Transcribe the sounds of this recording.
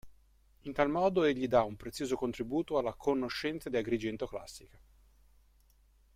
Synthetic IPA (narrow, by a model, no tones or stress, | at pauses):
int̪almɔːd̪oeʎːid̪aumpɾet̪sjoːzokont̪ɾibuːt̪oalːakʰonoʃːɛnt̪sad̪iaɡɾid͡ʒent̪okla̰sːika